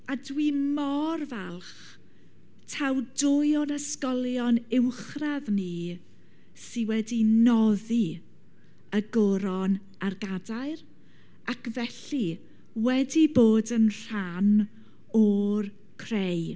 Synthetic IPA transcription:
adwiːmɔrvɛlˠχ | tʰawdʊjɔnaskɔlˠjɔnɪwχraðni | sɨwɛdinɔði | əɡɔɾɔn | arɡadaɨɾ | akʰvɛɬi | wɛdiboːdənr̥an | ɔr | kʰrej

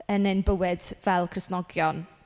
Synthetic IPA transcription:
ənɨnbəwɪd̥vɛlˠkʰrɪsnɔɡjɔn

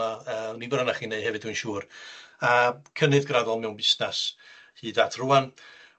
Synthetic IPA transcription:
aəːnibəɾənaχiːnːejhɛvɨdwinʃuːrakʰənɨðɡradɔlˠmɛwnbɪsnas | hiːdatʰruan

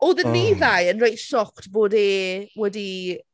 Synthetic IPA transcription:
oːðənːiːðajənrejtʃɔktboːdeːwɛdi

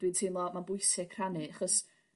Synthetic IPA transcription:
d̥wɨːdtʰɪmˠɔmabʊɨsɪkʰr̥anɛaχɔs

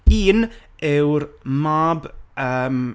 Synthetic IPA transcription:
iːnɪwrmaːbəm

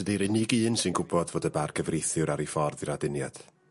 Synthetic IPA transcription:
ədiɾɨniɡɨːnsɨnɡʊbʰɔdvoːdəbarkʰəvrɪθɨɾaɾifɔrðiɾadɪnja̰d̥

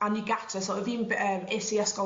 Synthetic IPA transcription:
aniɡatʰəsɔəviːmbəːmesiɛskɔlˠ

